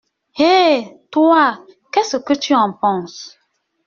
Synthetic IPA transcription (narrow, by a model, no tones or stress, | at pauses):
heːtwa | kɛsokətyãmpɔ̃s